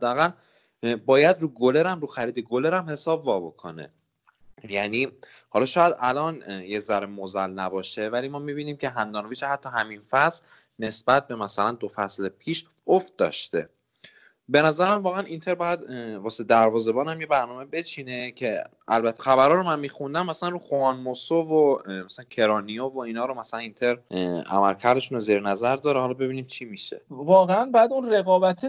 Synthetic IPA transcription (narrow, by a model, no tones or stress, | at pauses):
æd̪ːææɣæl | bɒːjæd̪ɾuːɡole̞ɾæmɾuːxæɾiːd̪eɡole̞ɾæmhe̞sɒːbvɒːbo̞kʰo̞̰nḛ | jæniː | hɒlɒːʃɒːjæd̪ʔælɒːnjeczæɾemozælnæbɒːʃe̞vælimɒːmibiːniːmcʰe̞ɦænd̪ɒːnoviːt͡ʃehæt̪ʰːɒɦæminfæsl | ne̞sb̥æt̪̚ʰbe̞mæsælænd̪ofæslepʰiːʃ | oft̪̚d̪ɒ̰ʃt̪e̞̰ | be̞næzæɾæmvɒːɣeænʔint̪ʰe̞ɾbɒːjæd̪vɒːsed̪æɾvɒːze̞bɒːnhæmjebæɾnɒːme̞bet͡ʃʰiːne̞cʰe̞ʔælbæt̪ʰːe̥xæβæɾɒːɾomænmiːxund̪æmːæsælænruːxoɒnmosovomæsælæncʰe̞ɾɒnijovoiːnɒːɾomæsælænint̪ʰe̞ɾʔæ̰mælcʰæɾd̪e̞ʃunoziːɾenæzæɾd̪ɒːɾehɒlɒbe̞biːniːmt͡ʃʰimiːʃḛvɒːɣeænbæd̪unreɣɒːbæt̪ʰe